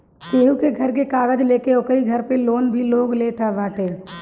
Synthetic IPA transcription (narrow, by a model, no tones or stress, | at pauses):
peːɦukeɡʱɐɾkekaːɡəd͡ʒleːkeʊːkəɾiɡʱɐɾpeloːnbʱiloːɡleːt̪ʰaʋaːʈeː